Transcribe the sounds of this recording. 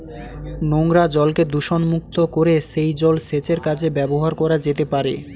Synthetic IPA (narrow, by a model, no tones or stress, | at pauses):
noŋɾad͡ʑɔlked̪uʃonmuk̚t̪okoɾeʃejd͡ʑɔlset͡ɕeɾkad͡ʑʰebɛboɦaɾkɔɾad͡ʑet̪epaɾḛ